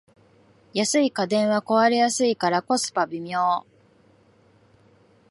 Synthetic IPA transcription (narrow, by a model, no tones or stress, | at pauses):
jasɨikad̪ẽ̞ɰ̃βako̞βaɾejasɨikaɾako̞sɨ̥pabʲimʲjoː